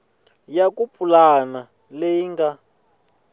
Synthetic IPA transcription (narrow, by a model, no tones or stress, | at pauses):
jakupʰʼulana | lejiŋɡa